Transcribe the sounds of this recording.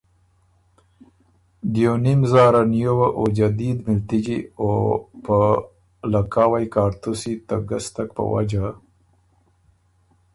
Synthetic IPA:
d̪jonimzɑːɾanjowaʔod͡ʒad̪id̪mɪlt̪id͡ʒiopə | lakaːwajkɑːɾt̪usit̪aɡast̪akpə̰wa̰d͡ʒa

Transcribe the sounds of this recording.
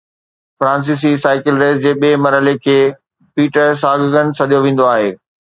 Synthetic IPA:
fɾãːns̬iːs̬isaːɪkɪlɾeːzd͡ʑeːɓieːmɐɾɦəlekʰeː | piːʈəɾs̬aːɡəɡən̆sɐɗijoʋẽːn̆d̪oaːɦeː

